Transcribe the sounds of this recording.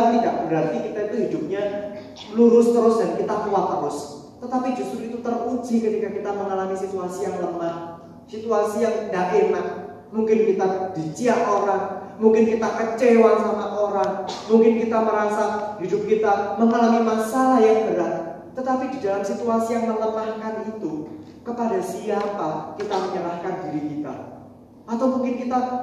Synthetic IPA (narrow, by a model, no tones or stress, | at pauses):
t̪idaʔbɾant̪ikit̪ait̪uɦidʊp̚ɲa | luɾʊst̪əɾʊsdankit̪akuwat̪ːərʊs | t̪ət̪apid͡ʒʊst̪ɾʊit̪ut̪əru̥d͡ʒi̤kət̪ikakit̪aməŋalamisit̪uasijaŋləmah | sit̪uasijaŋdaʔenak | muŋkɪnkit̪ad̪̥it͡ʃiaʔoɾaŋmuŋkɪnkit̪akət͡ʃewaŋsamaʔoɾaŋmuŋkɪnkit̪aməɾasahidʊp̚kit̪aməŋalamimasalajabəɾa | t̪ət̪apididalamsit̪uasijaŋmələmahkanit̪u | kəpadasiapakit̪aməɲəlahkandiɾikit̪a̰ | ʔat̪awmuŋkɪnkit̪a